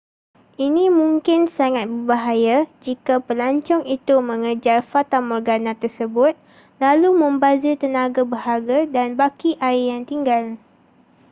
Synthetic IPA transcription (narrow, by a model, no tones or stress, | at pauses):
inĩmũŋkɪnsaŋat̪̚bəbaɦajad͡ʒikapəlaɲt͡ʃɔŋit̪umə̃ŋəd͡ʒarfat̪amɔrɡanãt̪ərsəbʊt̪̚ | lalumə̃mbazit̪ənãɡabəɦaɡadanbakiʔaɪjaŋt̪iŋɡal